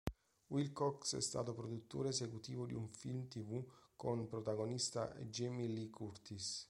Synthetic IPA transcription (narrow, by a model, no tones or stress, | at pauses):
wilkɔksɛ̰st̪a̰ːt̪opɾod̪ut̪ːoːɾeːsekut̪iːvod̪iuɱfilmt̪ivukonpɾot̪aɡonist̪a̰ʔḛd͡ʒɛmilikʰurt̪is